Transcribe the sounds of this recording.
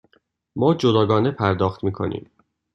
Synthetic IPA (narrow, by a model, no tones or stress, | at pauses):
mɒːd͡ʒod̪ɒːɡɒːnepʰæɾd̪ɒːxt̪miːkʰo̞̰nʔḭːm